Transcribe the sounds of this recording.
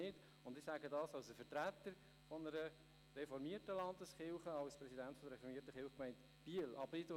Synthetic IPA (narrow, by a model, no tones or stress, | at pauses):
ɪt | ʊndɪsæːɡədɑːsɑlsəfəɾtɾætːəɾ | fɔnəɾə | rɛfɔɾmiːərtəlɑndəsχɪlχəɑʊspɾɛsidæntfɔdəɾɛfɔɾmiətəχɪlχkmɛɪnt | b̥iəlʔɑ̰bɪdo